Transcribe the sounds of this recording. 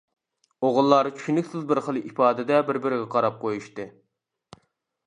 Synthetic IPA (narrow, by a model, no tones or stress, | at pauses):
oʁʊlˠːɑːɾɨt͡ʃʰy̥ʃynykʲsɪzbɪɾχəlˠʔipɑːd̪ɪd̪ɛbɪɾbɪɾɪɡʲɛqʰɑɾɑp̚qʰojuʃt̪ɨ